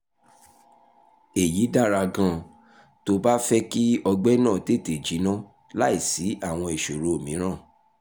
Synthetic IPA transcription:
e˨ji˨˦da˦˨ɾa˧ɡã˧˦ | to˧˦ba˦fɛ˦ki˦ɔ˧ɡ͡bɛ˦nãː˦˨te˦˨te˨d͡ʒi˨˦nã˦ | la˦i˦˨si˨˦a˦˨w̃ɔ̃˧i˨ʃo˨ɾo˨o˨mĩ˨˦ɾ̃ã˦˨

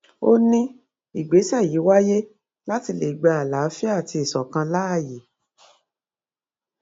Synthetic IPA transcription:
o˦nĩ˦ | i˨ɡ͡be˨˦sɛ˦˨ji˨˦wa˦je˦ | la˦ti˧le˨i˨ɡ͡ba˧a˨la˨˦fi˦a˦˨ti˧i˨sɔ˨kã˧la˦˨ji˨˦

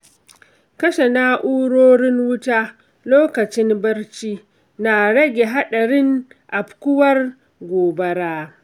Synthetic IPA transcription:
kɐ˦ʃe˨naː˦ʔuː˦ɽoː˦ɽɪ˦ŋwʊ˦taː˦ | loː˦kɐ˨t͡ʃɪ˦mbɐ˦rt͡ʃiː˦ | na˨ɽɐ˦ɡʲe˨ɦa˦ɗɐ˨ɽɪ˦ŋʔa˨bkʷʊ˦wɐ˦r | ɡʷoː˨bɐ˦ɽaː˦

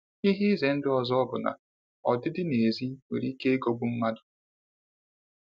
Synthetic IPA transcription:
i˦ɦi˦ze˨n̩˦dɪ˦ɔ˨zɔ˦ɔ˦bʊ˨na̰˨ | ɔ˨dɪ˦dɪ˦ne˨zi˦wḛ˨ɾi˦ke˦e˦ɡo˦bʊ˦m̩˦ma˦dʊ̥˨

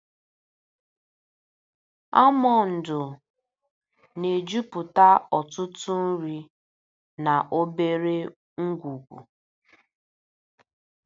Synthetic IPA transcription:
a˦mɔ˨n̩˨dʊ˨ | ne˨d͡ʒu˦pʊ˨ta˦ɔ˨tʊ˦tʊ˦n̩˦ɾi˦ | na˨ʔo˦be˦ɾe˦ | ŋ̩˦ɡʷu˨ɡʷṵ˨

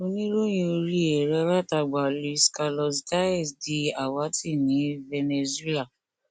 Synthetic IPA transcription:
o˧nĩ˦ɾo˦j̃ĩ˧o˧ɾi˦ɛ˨ɾɛ˧˦ɾa˦ta˧ɡ͡ba˨li˧ska˧lɔ˧sta˦ɛ˦˨sdi˨˧a˨wa˨˦ti˦˨nĩ˨˦vɛ˧ne˧zu˨˦e˦la˦˨

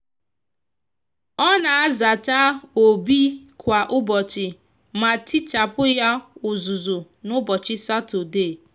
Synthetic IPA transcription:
ɔ˦na˨a˦za˨t͡ʃa˦o˨bi˦kʷa˨ʔʊ˦bɔ˨t͡ʃɪ˨ | ma˨ti˦t͡ʃa˨pʊ˦ja˦ʊ˨zʊ˨zʊ˨ | nʊ˦bɔ˨t͡ʃɪ˦sa˦to˨de˦˨

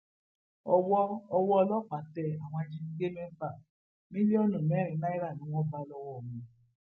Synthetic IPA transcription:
ɔ˧wɔ˦ɔ˧wɔ˦˧lɔ˦˨k͡pa˨˦tɛ˧˨a˨w̃ɔ̃˧a˧d͡ʒĩ˦ni˧˦ɡe˦mẽ˦m̩˦ba˦˨ | mĩ˦li˦ɔ˦nũ˨mɛ˨˦ɾ̃ĩ˨˧na˦i˦ɾa˦˨nĩ˨˦w̃ɔ̃˦ba˧lɔ˧wɔ˨mũ˨

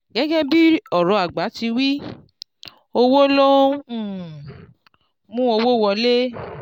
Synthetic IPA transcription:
ɡɛ˦ɡɛ˦bi˦ɔ˨ɾɔ̃˨˧˨a˨ɡ͡ba˨˦ti˧wi˦ | o˧wo˦lõ˦˨ | mũ˦o˧wo˦˨wɔ˧le˦

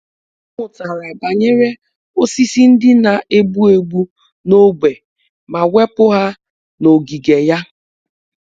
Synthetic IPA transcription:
ŋʷʊ˨ta˨ɾa˨ba˨ɲe˦ɾe˦ | o˦si˦si˦n̩˦dɪ˦na˨ʔe˦bu˦e˨ɡ͡bu˦ | no˦ɡ͡be˨ | ma˨we˦pʊ˦ɦa˦ | no˨ɡi˨ɡe˨ja˦

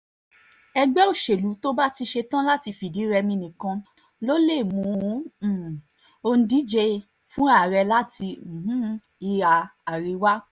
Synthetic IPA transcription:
ɛ˧ɡ͡bɛ˦o˦˨ʃe˨lu˨˦to˦ba˦ti˧ʃe˧tã˦la˦ti˧fi˨di˨˦ɾɛ˧mĩ˧nĩ˨kã˧ | lo˦le˦˨mũ˨˦˨ | o˧n̩˦di˨˦d͡ʒɛ˧ | fũ˦a˦˨ɾɛ˧la˦tĩ˧˨ɦũ˦ | i˧a˨a˨ɾi˧wa˦

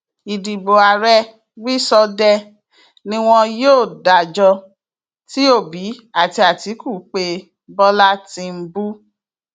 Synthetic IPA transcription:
i˨di˨bo˨a˨ɾɛ˦ | wi˦sɔ˧dɛ˧ | nĩ˦w̃ɔ̃˧joː˦˨da˨d͡ʒɔ˧ | ti˦o˦˨bi˨˦a˦˨ti˧a˨ti˨˦ku˦˨k͡pe˧ | bɔ˦la˦tĩ˧m̩˦bu˦

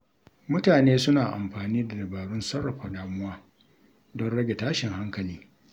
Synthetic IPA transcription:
mʊ˦taː˨neː˦sʊ˦naː˨ʔa̰˨mɸaː˨niː˦da˨dɐ˨baː˨ɽʊ˦nsɐ˦ɽɐ˨ɸa˨ɗaː˨mʊ˦waː˦ | dɔ˦nɽɐ˦ɡʲe˨taː˦ʃɪ˨ŋha˦ŋkɐ˨liː˦

